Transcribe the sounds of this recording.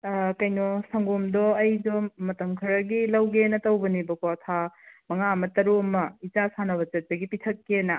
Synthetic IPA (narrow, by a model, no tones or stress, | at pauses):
kɐjnɔsɐŋɡomdɔɐjdɔmɐtɐŋkʰɐɾɐɡilɐwɡenɐtɐwbɐnibɐkʰotʰamɐŋamɐtɐɾuɐmɐit͡ʃasanɐbɐt͡ʃɐt̚ɐɡipitʰɐkːenɐ